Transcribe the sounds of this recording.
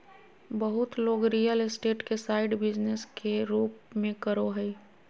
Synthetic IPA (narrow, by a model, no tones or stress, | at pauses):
bəɦʊt̪loːɡɾijəlɪsʈeːʈkesaːɪɖbɪd͡ʒneskeɾuːp̚mẽkəɾoɦəi